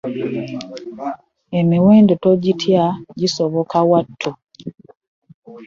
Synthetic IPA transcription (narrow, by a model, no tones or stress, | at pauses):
emiweːndotoɟitʰjaɟisoβo̞kawatʰːu